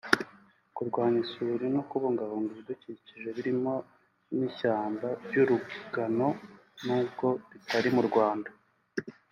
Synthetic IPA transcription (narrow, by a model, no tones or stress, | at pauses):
kuɾɡwaːɲisuɾinokuβoŋɡaβoŋɡuβiduciciʒe̞βiɾimo | nicaːmbajuɾuɡɡano̞nuːbko̞ɾitaɾimuɾɡwaːnda